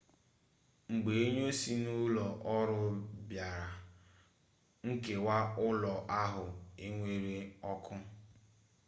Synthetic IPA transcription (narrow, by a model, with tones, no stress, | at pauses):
ŋ͡m̩˨ɡ͡be˨e˦ɲo˦si˦nʊ˦lɔ˨ʔɔ˦ɾʊ˦bja˨ɾa˨ | ŋ̩˦ke˨wa˦ʊ˦lɔ˨ʔa˦ɦʊ˨e˦ŋʷe˦ɾe˦ɔ˦kʰʊ˦